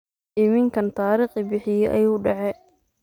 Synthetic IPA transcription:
ʔɪmɪŋkʰɐnt̪ʰaːɾiːχɪbɪħɪjɛʔɐ̰juːɖɐʕɛ

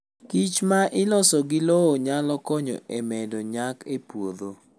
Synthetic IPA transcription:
kit͡ʃmaʔɪlɔsɔɡɪlɔːɲalɔkɔɲɔ̰ʔemɛdɔɲakepwod̪o

